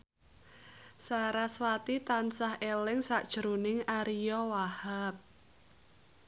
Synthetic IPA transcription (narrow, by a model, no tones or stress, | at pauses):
saɾaswat̪it̪ansahelɪŋsaʔd̥ʒ̥ɾunɪŋaɾijɔwahap̚